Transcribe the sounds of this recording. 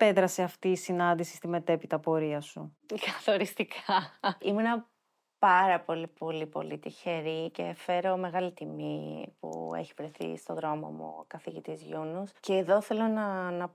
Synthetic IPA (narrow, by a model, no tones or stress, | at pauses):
pe̞ðɾɐseɐft̪iːsinɐnd̪isi̥st̪ime̞t̪e̞pit̪ɐpo̞ɾiɐsu | kɐθo̞ɾist̪ikʰɐimunɐ | pɐɾɐpo̞lipo̞lipo̞̰lit̪içe̞ɾice̞̰fe̞ɾo̞me̞ɣɐlit̪imipṵḛçivɾe̞θḭst̪o̞ðɾo̞mo̰mṵkɐθiʝit̪izʝunusceːðo̞θe̞lo̞nɐnɐ